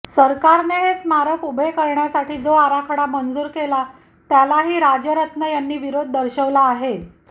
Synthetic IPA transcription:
səɾkaɾneɦesmaɾəkubʱekəɾɳjasaʈʰiːd͡zoaɾakʰəɽamənd͡zuːɾkela | t̪jalaɦiːɾad͡ʑjəɾət̪nəjanːiːʋiɾod̪̚ʱːəɾɕəʋlaːɦe

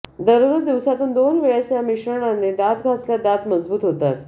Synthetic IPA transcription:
d̪əɾoɾud̪iʋsat̪uːnd̪onʋeɭjasjamiɕɾəɳ̃anːed̪at̪ɡʱasljad̪at̪məd͡zbuːt̪ɦot̪at̪̚

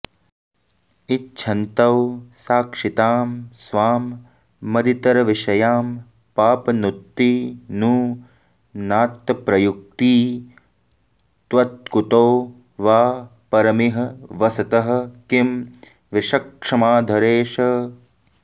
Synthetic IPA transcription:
itːʃʰɐnt̪ɐwsaːkʂit̪aːmsʋaːmː | ɐd̪ʱit̪ɐɾɐʋiʂɐjaːm | paːpɐnut̪ːiːnuː | naːt̪ːɐpɾɐjuk̚t̪iː | t̪ʋɐt̪̚kut̪oː | ʋaː | pɐɾɐmiɦɐ̆ʋɐsɐt̪ɐɦɐ̆kim | ʋiʃɐkʂɐmaːd̪ʱɐɾeːʂɐ

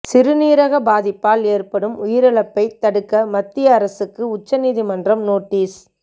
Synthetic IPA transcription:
sɪɾɯniːɾɐɣɐbaːðɪpːaːleːrpɐɽɯmʊjɪɾɐɭɐpːɐɪt̪ɐɽɯkːɐmɐt̪ːɪjɐːɾɐsɯkːɯʊt͡ʃːɐniːðimɐndrɐmnoːʈːiːs

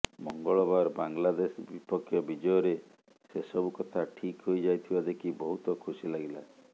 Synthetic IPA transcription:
mɔŋɡɔɭɔbaɾbaŋlad̪esbipɔkʰːjɔbid͡ʒɔjɔɾe | sesɔbukɔt̪ʰaʈʰikɦojd͡ʒajt̪ʰibad̪ekʰibɔɦut̪ɔkʰusilaɡila

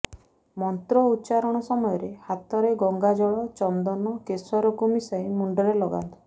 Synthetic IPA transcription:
mɔnt̪ɾɔutːt͡ʃaɾɔɽ̃ɔsɔmɔjɔɾehat̪ɔɾeɡɔŋɡad͡ʒɔɭɔt͡ʃɔnd̪ɔnɔkesɔɾɔkumisajmuɳɖɔɾelɔɡa̰nt̪ɔ̥

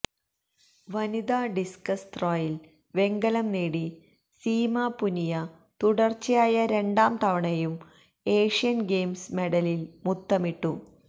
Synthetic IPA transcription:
ʋɐnid̪aːɖiskɐst̪roːjil | ʋe̞ŋɡɐlɐmneːɽi | siːmaːpunijɐ | t̪uɽɐrt͡ɕːijaːjɐɾe̞ɳɖaːmt̪ɐʋɐɳɐjum | e̞ːʂijɐnɡeːmsme̞ɽɐlilmut̪ːɐmiʈːu

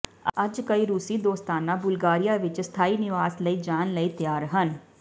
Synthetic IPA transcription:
ɐd͡ʒkɐiɾuːsid̪oːst̪aːnãbʊlɡaːɾijaʋɪt͡ʃst̪ʰaːinɪʋaːsləid͡ʒaːnləit̪jaːɾɦən

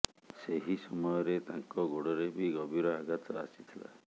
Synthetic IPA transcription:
seɦisɔmɔjɔɾet̪aŋkɔɡoɽɔɾebʱiɡɔbiɾɔaɡat̪ɔa̰si̥t̪ʰila̰

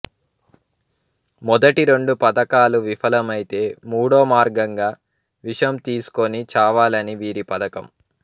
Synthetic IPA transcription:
mɔd̪ɐʈiɾeɳɖupɐd̪ɐkaːluʋifʰɐlɐmɐjit̪e̞ːmuːɽoːmaːɾɡɐŋɡaː | ʋiʂɐjɐmt̪iːsu̥konit͡ʃaːʋaːlɐniʋiːɾipɐd̪ɐkɐm

